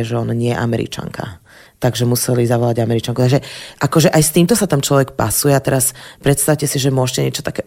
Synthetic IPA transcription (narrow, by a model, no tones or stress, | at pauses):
ʒɛɔnaɲɪɛjɛ̰ʔamɛɾḭt͡ʃa̰ŋkʰa̰ | t̪aɡʒɛmusɛlizaʋɔlaɟamɛɾit͡ʃaŋkut̪aɡʒɛʔakɔʒɛʔajst̪iːmt̪ɔsat̪amt͡ʃlɔʋɛkpa̰sujɛat̪ɛɾaspɾɛt̪st̪aʊcɛsiʒɛmʊɔʃcɛɲɪɛt͡ʃɔ̥t̪akɛ